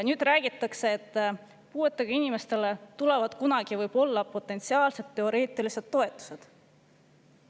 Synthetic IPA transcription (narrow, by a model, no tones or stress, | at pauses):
nyːd̪̥ræːɡ̥it̪ːˑɑkse̞ːt̪ːˑ | puːe̞t̪ːˑeɡ̥ɑinime̞st̪e̞let̪ule̞vɑd̪̥kunɑɡ̥ivɤjb̥o̞lːɑpo̞t̪ːˑe̞nt̪siɑːlse̞d̪ːe̞o̞ɾe̞ːt̪ːˑilise̞d̪̥ːo̞e̞t̪ːˑu̥se̞d̪̥